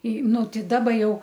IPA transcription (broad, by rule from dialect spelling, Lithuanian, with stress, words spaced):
iː ˈnʊ ˈtʲɛɪ ˈdɑːbɐ ˈjɛʊ